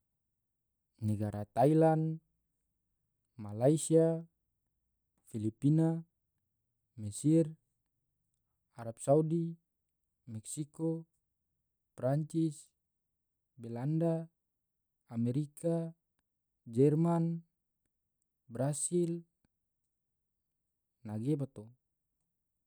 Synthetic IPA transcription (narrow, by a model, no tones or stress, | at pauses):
nɛɡaɾat̪ailan | malaisia | filipina | mɛsir | aɾap̚saudi | mɛksikɔ | pɾaɲt͡ʃis | bɛlanda | mɛɾikʰa | d͡ʒɛrman | bɾasil | naɡebat̪o